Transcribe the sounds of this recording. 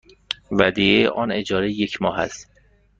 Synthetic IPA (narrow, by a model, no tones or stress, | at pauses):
væd̪ieʔɒne̞d͡ʒɒːɾejecʰmɒːɦæ̰st̪